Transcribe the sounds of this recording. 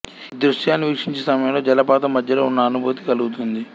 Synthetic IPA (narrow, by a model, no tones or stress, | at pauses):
d̪ɾuʂjaːnːiʋikʂiɲt͡ʃesɐmɐjɐmlo̞ːd͡ʒɐlɐpaːt̪ɐmːɐd̪ʱjɐloːunːɐːnubuːt̪i̥kɐluɡut̪und̪i